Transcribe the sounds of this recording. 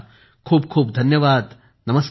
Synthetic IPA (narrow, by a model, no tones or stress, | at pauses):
kʰuːb̚kʰuːp̚d̪ʱɐnjɐʋaːd̪ | nɐmɐs